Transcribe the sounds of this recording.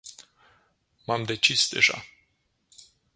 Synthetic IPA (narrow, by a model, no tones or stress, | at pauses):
mamd̪e̞t͡ʃisd̪e̞̰ʒa̰